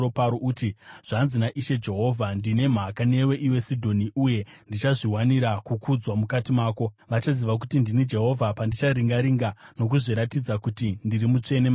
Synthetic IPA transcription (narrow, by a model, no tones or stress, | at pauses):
opaɾoʔutiʐ̥anzinaʔiʃe̞d͡ʒe̞ɦo̞ːvʱandine̞m̤akane̞we̞ʔiwe̞sidʱo̞niuje̞ndit͡ʃaʐiɦwaniɾakukʰud͡zwamukatimaːko̞ | ʋat͡ʃaziʋak̬utindinid͡ʒe̞ɦo̞vʱapandit͡ʃaɾiŋɡaɾiŋɡano̞k̬uʐiɾatid͡zakutindiɾimut͡ʂe̞nema